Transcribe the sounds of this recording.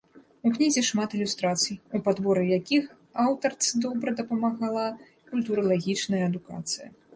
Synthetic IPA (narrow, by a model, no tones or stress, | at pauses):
uknʲizʲɛʂmat̪ɨlʲust̪ɾat̪sɨjupad̪bɔɾɨjakʲix | awt̪ɐrt̪sɨd̪ɔbɾɐd̪ɐpɐmaɣalˠa | kulʲt̪uɾɐlˠaɣʲit͡ʂnɐjɐːd̪uka̰t̪sɨjɐ̰